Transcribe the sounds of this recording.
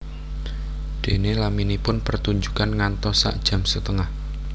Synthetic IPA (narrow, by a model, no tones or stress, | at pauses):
d̪̥e̤nelaminipʊnpərt̪uɲd͡ʒukanŋant̪ɔsa̰ʔd̥ʒ̥ä̤msət̪əŋah